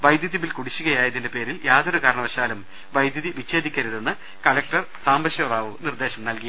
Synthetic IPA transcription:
ʋɐjd̪jɐðjɐʋilkuɽit͡ɕːuɣɐjaːjɐðinde̞pe̞ːɾiljaːd̪oɾukaːɾɐɳɐʋɐɕaːlum | ʋɐjd̪jɐðiʋit͡ɕːe̞ːd̪ikʲːɐɾuðe̞nːɨ | kɐlɐk̚ʈɐr | saːmbɐɕjoːɾaːʋunird̪e̞ːɕɐmnɐlki

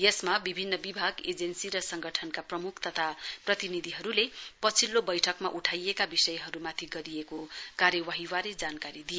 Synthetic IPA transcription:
jesmabibʱinːʌbibʱaɡed͡zensiɾʌsʌŋɡʌʈʰʌnkaprʌmukʰt̪ʌt̪ʰaprʌt̪inid̪ʱiɦʌɾulepʌt͡sʰilːobʌjʈʰʌkmaʔuʈʰajekabisʌjɦʌɾumat̪ʰiɡʌɾijekokaɾjʌwaɦiwaɾed͡zankaɾid̪ije

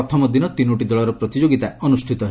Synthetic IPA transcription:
ɔt̪ʰɔmɔd̪inɔt̪inoʈid̪ɔlɔɾɔpɾɔt̪id͡ʒoɡit̪aɔnusʈʰit̪ɔɦe

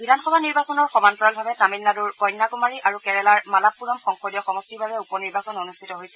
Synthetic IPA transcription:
bʱidʱanxɔbʱaniɹbasɔnɔɹxɔmantɔɹɔlbʱabɛtamilːaduɹkɔjnːakumaɹiʔaɹukɛɹɛlaɹmalapːuɹɔmxɔŋxodiɔxɔmɔstiɹbʱabɛupɔniɹbasɔnonustʰitɔɦojsɛ

